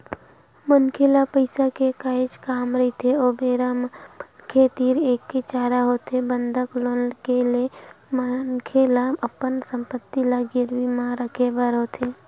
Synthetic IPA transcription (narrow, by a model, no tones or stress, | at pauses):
mənkʰeːlapəɪsakekaːɪt͡ʃkaːmɾəit̪ʰeoːbeːɾaːmkʰet̪iːɾeːkːet͡ʃaːɾaɦot̪ebənd̪ʱəkloːnlkele | mənkʰelaəpːənsə̃mpət̪ːilaɡɪɾʋimãɾəkʰebəɾɦoːt̪ʰeː